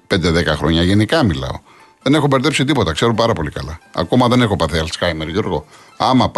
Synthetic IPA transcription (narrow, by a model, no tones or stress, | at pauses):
pend̪eðekɐxɾo̞ɲɐʝe̞nikɐmilɐ̰o̞̰ | ðe̞ne̞xopeɾt̪e̞psit̪ipo̞t̪ɐkse̞ɾupɐɾɐpo̞likɐlɐɐ̰ko̞mɐðe̞ne̞xo̞pɐθeɐlskɐjmeɾʝoɾɣo̞̰ | ɐmɐp